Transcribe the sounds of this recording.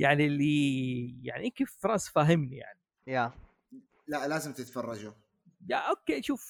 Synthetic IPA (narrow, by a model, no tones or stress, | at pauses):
jaʕnilːija̰ʕniʔɪnkiffɾˤɑːsˤfaɦɪmnija̰ʕni | ja | laʔlaːzɪmt̪ɪt̪fɑrˤːɑd͡ʒʊ | jaʔokːeːʃuːf